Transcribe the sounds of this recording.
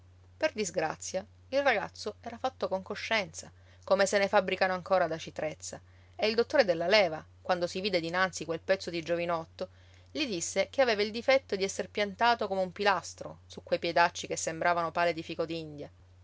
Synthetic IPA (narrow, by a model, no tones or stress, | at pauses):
perd̪izɡɾa̰t̪sːja | ilraɡa̰t̪sːoɛːɾafat̪ːokoŋkoʃːɛnt̪sa | komesenefabɾikanoaŋkoːɾad̪at͡ʃit̪ɾet̪sːa | eild̪ot̪ːoːɾed̪elːalɛːva | kwand̪osiviːd̪ed̪inant̪sikwelpɛt̪sːod̪id͡ʒovinɔt̪ːo | lid̪isːekeaveːvaild̪ifɛt̪ːod̪iɛsːerpjant̪aːt̪okomeumpilast̪ɾosukːwejpjed̪at͡ʃːikesːembɾaːvanopaːled̪ifiːkod̪ind̪ja